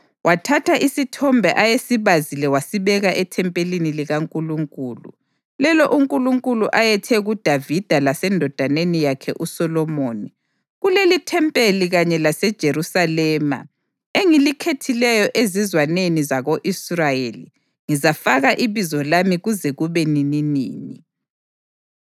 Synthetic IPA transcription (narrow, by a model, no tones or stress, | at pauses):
wʔatʰatʰaʔisitʰɔmbʱɛʔajesiβazilɛwasiβɛɣaʔɛtʰɛmpʼeliniliɣaŋkʼuluŋkʼuːlṵ | lɛlɔʔuŋkʼuluŋkʼuluʔajɛtʰɛɣud̥ʱavid̥ʱalasɛndʱɔd̥ʱanenijakʰɛ̰ʔusɔlɔmoːni | ɣulelitʰɛmpʼeliɣaɲɛlasɛd̥ʒ̥ʱeɾusalɛːma̰ | eŋilikʰetʰilɛjɔʔezizwanenizaɣoʔisrajelḭ | ŋizafaɣaʔiβizɔlamiɣuzɛɣuβɛnininḭːnḭ